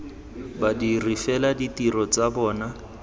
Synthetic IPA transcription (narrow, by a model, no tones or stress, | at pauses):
badirifɛladitirɔt͡sabɔːna